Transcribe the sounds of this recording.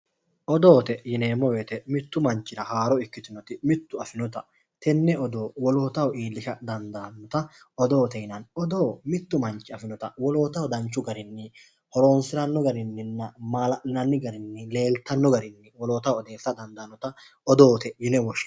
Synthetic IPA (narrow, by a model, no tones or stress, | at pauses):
ʔɔd̪o̞ːt̪ɛjɪneːmːɔweːt̪ɛmɪt̪ːʊmɐnt͡ʃːɪɾɐhaːɾɔɪkːɪt̪ɪnɔt̪ɪmɪt̪ːʊɐfɪnɔt̪ɐ | t̪ɛnːɛɔd̪o̞ːwɔlo̞ːt̪ɐwɔiːlːɪʃɐd̪ɐnd̪aːnːɔt̪ɐ | ɔd̪o̞ːt̪ɛjɪnɐnɔd̪o̞ːmɪt̪ːʊmɐnt͡ʃːɪɐfɪnɔt̪ɐwɔlo̞ːt̪ɐwɔd̪ɐnt͡ʃːʊɡɐɾɪnːɪ | hɔɾo̞ːnsɪɾɐnːɔɡɐɾɪnːɪnːɐmaːlɐnɐnːɪɡɐɾɪnːɪle̞ːlt̪ɐnːɔɡɐɾɪnːɪwɔloːt̪ɐwɔd̪e̞ːsːɐd̪ɐnd̪ɐːnːɔt̪ɐ | ɔd̪o̞ːt̪ɛjɪnɛwɔʃ